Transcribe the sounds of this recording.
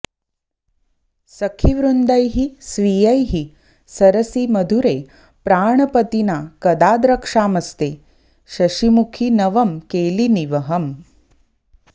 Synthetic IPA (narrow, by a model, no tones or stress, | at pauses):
sɐkʰiʋɾund̪ɐjɦisʋijɐjɦi | sɐɾɐsimɐd̪ʱuɾe | pɾaːɳ̃ɐpət̪inakɐd̪aːd̪ɾɐkʂaːmɐst̪e | ʃɐʃimukʰinɐʋɐmkeːliniʋɐɦɐm